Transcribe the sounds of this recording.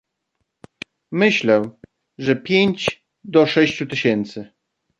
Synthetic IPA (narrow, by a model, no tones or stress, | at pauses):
mɘɕlɛw | ʐɛpʲjeɲt͡ɕ | d̪ɔʂɛɕt͡ɕut̪ɘɕɛnt̪sɘ